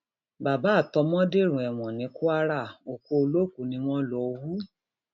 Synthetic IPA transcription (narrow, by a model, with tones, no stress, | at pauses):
ba˨ba˨˦˨tɔ˨˧mɔ̃˦de˦˨ɾ̃ũ˨ɛ˨w̃ɔ̃˨nĩ˨˦ku˦a˦ɾa˦˨o˨ko˧o˧lo˦˨ku˨˦nĩ˧˦w̃ɔ̃˦lɔ˧˦wu˦